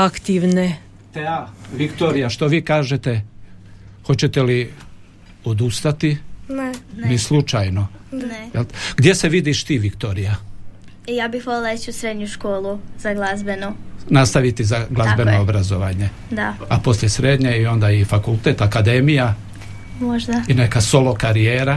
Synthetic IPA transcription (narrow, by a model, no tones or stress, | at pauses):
akt̪iʋne | t̪eaʋikt̪oːɾijaʃt̪o̞ʋiːkaːʒet̪e | xo̞t͡ɕe̞t̪eli | od̪ust̪at̪innnislut͡ʃajno̞njelɡd̪ʲje̞se̞ʋid̪iʃt̪iːʋikt̪o̞ːɾija | ijaːbixʋolˠelˠaet͡ʃusɾed̪ɲuʃkoːlˠuz̥aɡlˠazbenonast̪aʋit̪izaɡlˠazbe̞noobɾazo̞ʋaːɲe̞ | d̪aapo̞sljesɾed̪ɲeio̞nd̪aifakult̪e̞ːt̪akad̪e̞mija | moʒd̪aine̞kaso̞lo̞kaɾijeːɾa